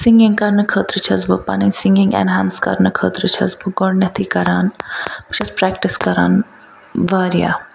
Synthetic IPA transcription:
sĩŋɡɪ̃ŋɡkɐɾnɨkʰəːt̪ɾɨt͡ʃʰɐzbɨpɐ̰ninsĩŋɡɪ̃ŋɡɛ̰nɦãːnskɐ̰ɾnəkʰəːt̪ɾɨt͡ʃʰɐzbuɡoɽnɐt̪ʰikɐɾaːnbt͡ʃʰɐspɾɛk̚ʈiskɐɾaːn | ʋaːɾija̰

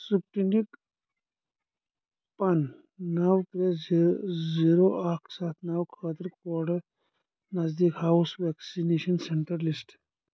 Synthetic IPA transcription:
sup̚ʈinik | pɐn | nɐwkɾe | ziɾoʔakʰsaːt̪ʰnɐwkʰəːt̪əɾkɔɾɖɐ | nɐzd̪ikɦawsʋɛːksineʃɐnseɳʈɐɾlisʈ

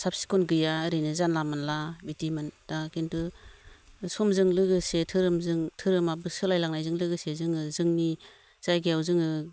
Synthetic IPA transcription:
sap̚si̥kɔnɡɯjaɾɯnɯzanlamanlabitimand̥akintɯ | sɔmzɯŋlɯɡɯsetʰɯɾɯmzɯŋtʰɯɾɯmabɯsɯlajlaŋnajzɯŋlɯɡɯsezɯŋɯzɯŋni | z̥ajɡijawzɯŋɯ

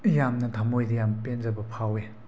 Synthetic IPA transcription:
jamnɐtʰamojdɐjampenzɐbɐpʰawe

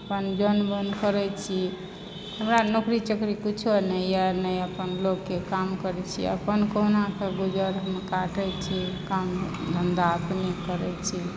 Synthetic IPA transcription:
əpənd͡ʒənbənkəɾɛt͡ʃʰi | həmɾanokɾit͡ʃəkɾikut͡ʃʰonəjanəjəpənloɡːekamkəɾɛt͡ʃʰḭə̰pənkənakeɡud͡ʒəɾɦəmkaʈɛt͡ʃʰikamd̪ʱənd̪aəpnikəɾɛt͡ʃʰi

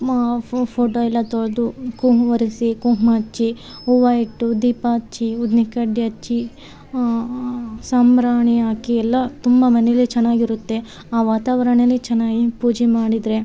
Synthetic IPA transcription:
pʰoːʈoːilːɐt̪oɭd̪ukuɦʋɐɾisikuɦmɐɐt͡ʃːi | uʋɐjiʈːud̪iːpaːt͡ʃːiud̪nikɐɖːiɐt͡ʃːi | samɾaːɳiaːkiɛlːɐt̪umbɐmɐnɛjɐlːit͡ʃɛnːaːɡiɾut̪ːe̞ | aːʋaːt̪aːʋɐɾɐɳelːit͡ʃɛnːaːɡipuːd͡ʒɛmaːɽid̪ɾe

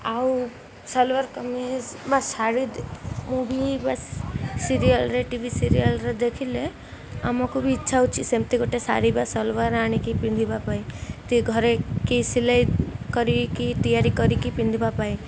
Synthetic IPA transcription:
aw | sɔlʋaɾkɔmiɦbasaɽid̪mubʱibassiɾijəlɾeʈibʱisiɾijəlɾed̪ekʰile | a̰mɔkubʱiːtːʃʰaut͡ʃʰisemt̪iɡoʈesa̰ɽibasɔlʋaɾaɽ̃ikipind̪ʱibapait̪iɡʱɔɾekisilajkɔɾikit̪ijaɾikɔɾikipind̪ʱibapai

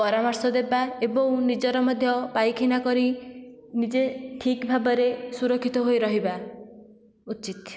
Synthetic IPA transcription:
pɔɾamɔɾsɔd̪ebaebɔ̃w̃nid͡ʒɔɾɔmɔd̪ʱjɔpajkʰinakɔɾi | nid͡ʒeʈʰikbʱabɔɾesuɾɔkʰːit̪ɔɦojɾɔɦiba | ut͡ʃit̪

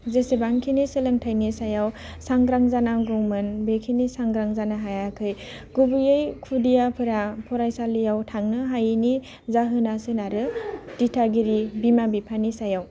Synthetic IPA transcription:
zesebaŋkʰineselɯŋtʰajnisajawsaŋɡɾaŋzanaɡɯwmɯnbekʰinisaŋɡɾaŋzanaɦajakʰɯj | ɡ̥ubijɯjkʰudijapʰɯɾapʰɔɾajsalijawtʰaŋnɯɦajini | zaɦɯnasɯnaɾɯd̥itʰaɡiɾibimabipʰanisajaw

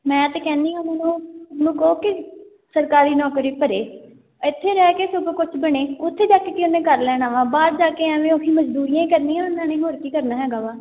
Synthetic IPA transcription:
mɛ̃ːt̪eːkɛ̃ːnd̪iːãːmɛːnũːnũːkoːkɪ | səɾkaːɾiːnɔːkɾiːpəɾeː | ɪt̪ʰːeːɾɛːkeːsʊbkʊt͡ʃʰbəɽ̃eːʊt̪ʰːeːd͡ʒaːkekiʊnẽːkəɾlɛːɽ̃aːʋãːbaːd̪̚d͡ʒaːkeːɛʋẽːokʰiːməd͡ʒd̪uːɾijãːikəɾniːãːʊnːãːneːɦoːɾkiːkəɾnaːɦɛːɡaːʋaː

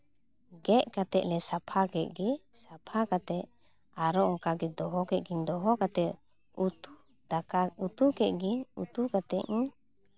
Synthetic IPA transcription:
ɡɛʔkat̪ɛʔ̚lɛsapʰaɡɛʔ̚ɡɛsapʰakat̪ɛʔ | aɾɔɔŋkaɡɛd̪ɔɦɔkɛt̪̚ɡiɲd̪ɔɦɔkat̪ɛʔ | ut̪u | akaut̪ukɛʔ̪̚ɡiɲṵt̪ukat̪ɛʔɲ̩

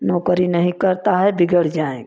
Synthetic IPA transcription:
nɔːkəɾinəɦĩkəɾt̪aɦɛbɪɡəɽ̤d͡ʒaːḛ̃

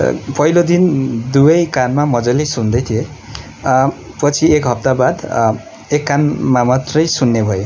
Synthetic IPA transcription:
pʌilod̪ind̪ujʌjkanmamʌd͡zʌjlejsund̪ʌjt̪ʰije | pʌt͡sʰiekɦʌp̚t̪abad̪ | ekːanmamat̪rʌjsunːebʱʌjo

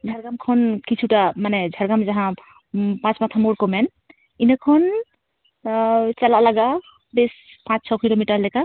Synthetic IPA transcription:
d͡ʒʱəɾɡamkʰɔnkit͡ʃʰuʈamanɛd͡ʒʱəɾɡamd͡ʒaɦã | pãt͡ʃmat̪ʰamoɽkomɛn | inakʰɔn | t͡ʃalalaɡa | bes | pãt͡ʃt͡ʃʰɔkilomiʈəɾlɛka

